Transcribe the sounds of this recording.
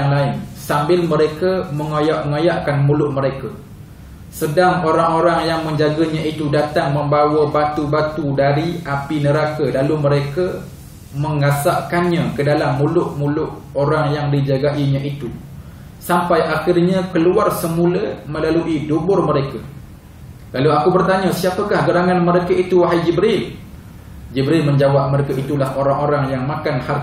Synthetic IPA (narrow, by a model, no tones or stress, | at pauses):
aŋlaɪnsambɪlməɾekaməŋajaʔŋajaʔkanmulʊʔməɾeka | sədaŋoɾaŋoɾaŋjaŋmə̃ɲd͡ʒaɡaɲãit̪udat̪aŋmə̃mbawəbat̪ubat̪udaɾiʔapinəɾakalaluməɾeka | məŋasaʔkanɲãkədalamːulʊʔmulʊʔ | oɾaŋjaŋdid͡ʒaɡaʔiɲãʔit̪u | sampajʔaxɪrɲãkəluarsəmulaməlaluʔidubʊrməɾeka | laluakubərt̪aɲãsiapəkahɡəɾaŋanməɾekait̪uɦajd͡ʒibɾil | d͡ʒibɾɪlmə̃ɲd͡ʒawap̚məɾekaʔit̪ulahoɾaŋoɾaŋjaŋmakanhar